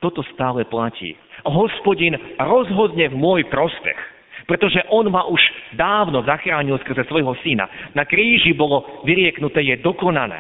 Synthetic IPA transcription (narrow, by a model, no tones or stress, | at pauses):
t̪ɔt̪ɔst̪aːlɛplacḭːɦɔspɔɟinɾɔzɦɔd̪ɲɛvmʊɔjpɾɔspɛ̰x | pɾɛt̪ɔʒɛʔɔnmaʔuʒd̪aːʊnɔzaxɾaːɲilˠskr̩zɛsʋɔjɦɔsina̰nakɾiːʒibɔlɔʋiɾɪɛknut̪ɛːjɛd̪ɔkɔnalɛ̰ː